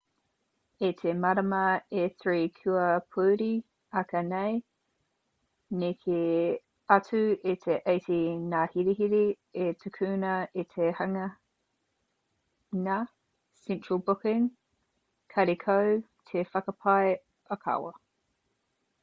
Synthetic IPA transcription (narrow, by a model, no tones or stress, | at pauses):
etʰemɐɾɐmɐeθɹiːkʰʉɐpʰuːɾi | ɐkʰɐnej | nekʰe | ɐt͡sʰʉetʰeʔɐjtʰinahiɾiɦiɾi | etʰukʰʉːnɐetʰehɐŋɐ | nɐ | sɛnt͡ʃɹ̥əlbʊkɪŋ | kʰɐɾikʰow | tʰefɐkɐpʰɑj | ɐkʰɐ̰wɐ̰